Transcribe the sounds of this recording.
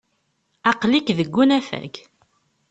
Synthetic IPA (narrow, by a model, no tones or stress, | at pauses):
ɑqlikðəɡːunæfæ̰ɡ